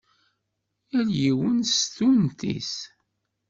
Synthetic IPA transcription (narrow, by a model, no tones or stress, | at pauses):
æljiwənst̪unt̪ḭs